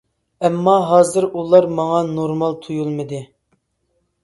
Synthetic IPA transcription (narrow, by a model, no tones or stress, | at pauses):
ɛmːɑɦɑːzɨɾulˠɑɾmɑŋɑnoɾmɑlˠt̪ʰujulˠmɨd̪ɨ